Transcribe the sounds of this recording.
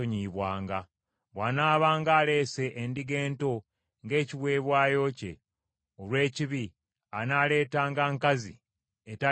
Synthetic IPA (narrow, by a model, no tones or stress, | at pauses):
oɲiβwaːŋɡa | βwaːnaːβaːŋɡaːle̞ːse̞ʔːndiɡe̞ːnto̞ | ŋɡe̞ːciβwe̞ːβwaːjo̞ce̞̰ | olwe̞ːciβi | anaːle̞ːtaːŋɡaːŋkazi | eta